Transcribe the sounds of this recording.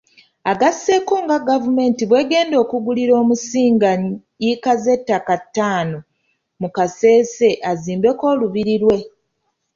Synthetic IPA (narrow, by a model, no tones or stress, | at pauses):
aɡase̞koːŋɡaɡavume̞ːntiβwe̞ːɡe̞ːndo̞ːkuɡuliɾo̞ːmusiːŋɡa | ikaze̞tːakatːaːno | mukase̞ːse̞ʔaziːmbe̞ko̞ːluβiɾiɾwe̞